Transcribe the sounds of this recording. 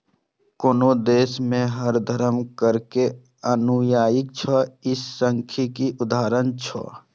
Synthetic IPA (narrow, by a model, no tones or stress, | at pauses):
koːnod̪eːsmẽɦəɾd̪ʱəɾəmkəɾke | ənujaːjɪkt͡ʃʰɔɪsːəŋkʰikiʔʊd̪aːɾənt͡ʃʰɔ̰